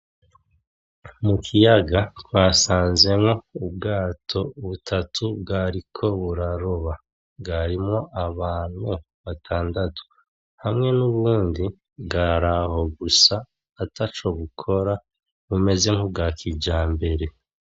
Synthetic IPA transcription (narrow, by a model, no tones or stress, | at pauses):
mukʰijaɡatwaːsaːnze̞mŋo̞ubɡaːtʰo̞βutʰatʰubɡaːɾikʰo̞βuɾaɾo̞βa | ɡaɾimŋo̞ʔaβaːn̥hu | βatʰaːndatu̥ | hamŋe̞nuβuːndi | bɡaɾaɦo̞ɡusaː | tat͡ʃo̞βukʰo̞ɾa | βume̞ze̞ŋ̥hubɡaːkʰiɟaːmbe̞ɾe̞